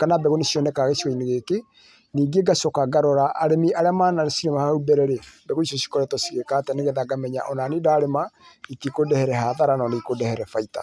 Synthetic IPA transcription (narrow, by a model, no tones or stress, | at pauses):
kanabɛɣonesiɔnɛkaɣesiɣɔineɣeke | niːɡeɡasɔkaɡaɾɔɾaʔaɾemiʔaɾɛmanaesiɾɛmahaubɛɾɛɾebɛɣoiʃɔsi̥kɔɾɛtɔsi̥ɣekaːtɛneɣeðaɡamɛɲa̰ʔɔnanidaːɾema | itikodɛhɛɾɛɦaðaɾanɔnikodɛhɛɾɛfaita̰